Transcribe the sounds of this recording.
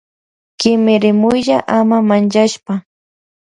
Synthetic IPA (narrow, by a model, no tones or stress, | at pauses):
kɪmɪɾɪmʊjʎaʔamamant͡ʃaʃpa